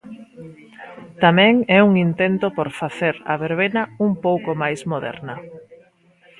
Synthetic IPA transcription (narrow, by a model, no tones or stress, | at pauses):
t̪amɛ̃ŋɛuŋint̪ent̪opoɾfaθeɾɐ̰βeɾβenɐuŋpowkomajsmoðɛ̰ɾnɐ